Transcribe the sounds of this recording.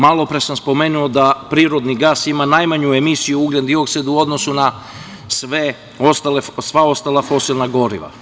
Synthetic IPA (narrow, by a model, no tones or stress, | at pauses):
malˠo̞pɾesamspo̞meːnuod̪apɾiːɾo̞d̪niɡasimanajmaɲue̞misijuuɡled̪d̪io̞ksed̪uo̞d̪nosuna | sʋe | ost̪alesʋao̞st̪alˠafo̞silˠnaɡo̞ɾḭʋa̰